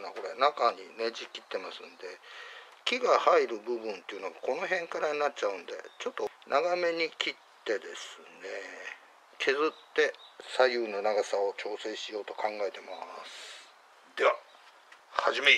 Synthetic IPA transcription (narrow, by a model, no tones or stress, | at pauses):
nako̞ɾe̞nakaɲ̟ine̞d͡ʑikʲːit̪ːe̞masɨ̰nd̪e̞ | kʲiɡahaiɾɯ̟bɯ̟bɯ̟̃nt̪e̞iɯ̟noɡako̞no̞ɦẽ̞ŋkaɾaɲinatt͡ɕaɯ̟̃nd̪e̞̰t͡ɕo̞t̪ːonʔaɡame̞ɲ̟ikʲitt̪ːe̞d̪e̞sɨne̞ | kʰe̞zɨt̪ːe̞sajɯ̟ːno̞naɡasao̞t͡ɕo̞ːse̞ɕijo̞ːt̪o̞kãŋɡae̞t̪e̞masɨ̥ | d̪e̞βa | haʑime